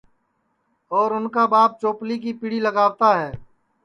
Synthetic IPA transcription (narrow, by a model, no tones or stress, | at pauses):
ɔːɾʊnkabaːp̚t͡ʃoːplik̬ipiɽiləɡaːwt̪aɦɛː